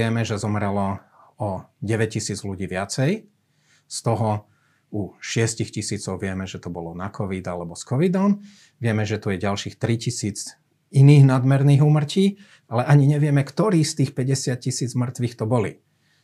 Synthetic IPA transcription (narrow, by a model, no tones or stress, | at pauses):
ɪɛmɛʒɛzɔmɾɛlɔ | ɔɟɛʋɛc̚cisiːd͡zluɟiːʋɪat͡sɛj | st̪ɔɦɔ | uʃɪɛscixcisiːt͡sɔʊʋɪɛmɛʒɛt̪ɔbɔlɔnakʰɔʋid̪alɛbɔskɔʋid̪ɔm | ʋɪɛmɛʒɛt̪ujɛɟalʃiːxt̪ɾicisiːd͡z | iniːɣnad̪mɛɾniːɣuːmr̩ciː | alɛʔaɲiɲɛʋɪɛmɛkt̪ɔɾiːxst̪iːxpɛɟɛsɪat̪̚cisiːd͡zmr̩t̪ʋiːxt̪ɔbɔlḭ